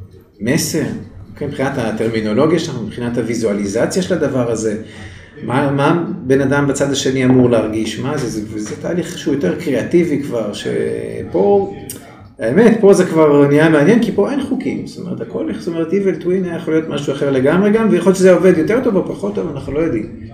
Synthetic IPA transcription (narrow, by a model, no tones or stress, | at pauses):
mese̞ʁokemipχinat̪hat̪e̞ʁmino̞lo̞ɡjaʃelaχnumipχinat̪havizualizat͡sjaʃelad̪avaʁaze̞ | mamabe̞nad̪ambat͡sad̪aʃe̞niamuʁleaʁɡiʃmazezevezet̪a̰ːliχʃeujote̞ʁkʁeativikvaʁʃe̞̰po̞ | aeme̞tpo̞zekvaʁnijameanje̞nkipo̞e̞nχukimst̪omeʁetako̞lstome̞ʁet̪ivelt̪winaajaχolijo̞t̪maʃuaχeʁle̞ɡamʁeɡamvejaχoljoʃezeoved̪jote̞ʁt̪obepaχot̪ːovanaχnulo̞jod̪im